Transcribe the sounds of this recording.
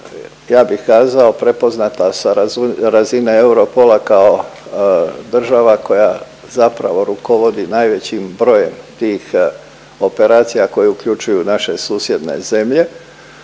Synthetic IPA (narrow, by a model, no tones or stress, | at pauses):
jaːbixkaːzao̞pɾe̞po̞znat̪asaɾaɾazinee̞uɾo̞po̞lakao̞ | d̪r̩ʒaʋako̞ja | zapɾa̰ʋo̞ɾuko̞ʋo̞d̪inajʋe̞t͡ɕimbɾo̞je̞mt̪iːx | o̞pe̞ɾaːt̪sijako̞jeukʎut͡ʃujunaʃe̞suːsje̞d̪ne̞̰ze̞mʎe̞